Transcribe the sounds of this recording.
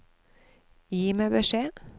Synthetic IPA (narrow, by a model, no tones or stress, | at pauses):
jiːmeːbəʃeː